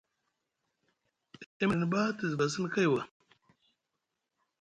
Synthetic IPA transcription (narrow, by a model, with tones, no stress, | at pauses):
i˦mə˨n˨ba˦tə˨zba˨s̬ə˦n˦ka˦jwa˨